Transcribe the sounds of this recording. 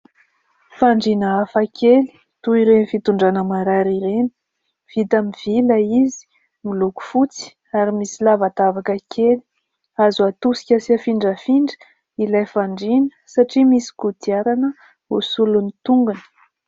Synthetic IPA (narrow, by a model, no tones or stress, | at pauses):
faɳɖ͡ʐinəafakʰeli̥ | t̪uiɾenifit̪uɳɖ͡ʐanəmaɾaɾiɾeni̥ | v̥it̪amiv̥ilaizi̥ | miluku̥fut͡si̥ | aɾimisilavat̪avakəkʰeli̥ | azat̪usi̥kʲasiafiɳɖ͡ʐəfiɳɖ͡ʐə̥ | ilajfaɳɖ͡ʐinə̥saʈ͡ʂimisi̥kut̪iaɾanə | usulunit̪uŋɡunə̥